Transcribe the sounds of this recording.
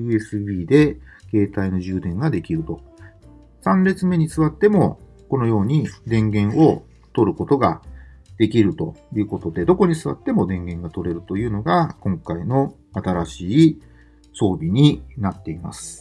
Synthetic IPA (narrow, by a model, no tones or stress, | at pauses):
ɯ̟ːe̞sɨbʲiːd̪e̞ke̞ːt̪aino̞ʑɨːd̪ẽ̞ŋɡad̪e̞kʲiɾɯ̟t̪o̞ | sãnɾe̞t͡sɨme̞ɲ̟isɨβat̪ːe̞mo̞̰ | ko̞no̞jo̞ːɲ̟id̪ẽ̞ŋɡẽ̞ɰ̃o̞ | t̪o̞ɾɯ̟ko̞t̪o̞ɡad̪̥e̞kʲiɾɯ̟t̪o̞jɯ̟ːko̞t̪o̞d̪e̞d̪o̞ko̞ɲ̟isɨβa̰t̪ːe̞mo̞d̪ẽ̞ŋɡẽ̞ŋɡat̪o̞ɾe̞ɾɯ̟t̪o̞jɯ̟ːno̞ɡakõ̞ŋkaino̞ | at̪aɾaɕiː | so̞ːbʲiɲ̟inat̪ːe̞ima̰sɨ̥